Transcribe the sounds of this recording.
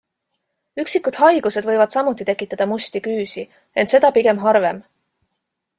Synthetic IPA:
yksikːˑud̪̥hɑjɡ̥use̞d̪vɤ̞jvɑd̪̥sɑmut̪ːˑit̪e̞kːˑit̪ːˑɑd̪̥ɑmusʲt̪ikyːsi | e̞nt̪se̞d̪̥ɑpiɡe̞mɦɑrve̞m

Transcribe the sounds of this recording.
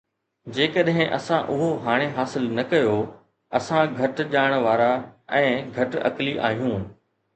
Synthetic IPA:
d͡ʑeːkəɗɦɪ̃ʔɐsãʔʊɦoɦaːɽ̃eɦaːsɪlnɐkɐjo | ɐsãɡʱɐʈʄaːɽ̃ʋaːɾaɛ̃ːɡʱɐʈɐ̰kliʔa̰ːɦijũː

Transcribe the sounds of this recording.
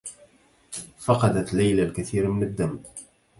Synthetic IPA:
fɑqɑd̪at̪lːajlalkaθiːɾmɪnəd̪ːam

